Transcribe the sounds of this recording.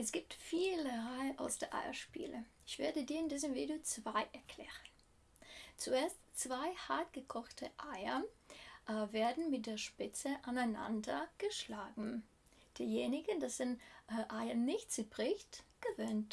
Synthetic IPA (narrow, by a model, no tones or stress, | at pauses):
ʔɛsɡ̥iːp̚tfiːləʁaɪəʔa̰ʊsd̥eːɐʔa̰ɪɐ̰ʃpḭːləʔɪçv̥eːɐdədiːɐɪndiːzəmvḭːdeot͡sv̥aɪʔɛɐkʰl̥ḛːʁən | t͡suʔeːɐstt͡sv̥aɪhaɐtɡ̥əkʰɔxtʰəʔaɪɐ | ʔveːɐdn̩mɪt̚d̥eːɐʃpɪt͡səʔanaɪna̰ndɐɡ̥əʃlaːɡŋ̩ | d̥iːjeːnɪɡənd̥asd̥enʔaɪɐnɪçtt͡subʁ̥ɪçtɡ̥əvøːnt